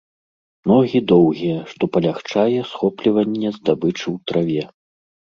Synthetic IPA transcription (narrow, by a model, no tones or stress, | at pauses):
nɔɣʲid̪ɔwɣʲijɛʂt̪ɔpɐlʲaxt͡ʂajɛsxɔplʲivɐnʲːɛzd̪abɨt͡ʂɨwt̪ɾʔavʲɛ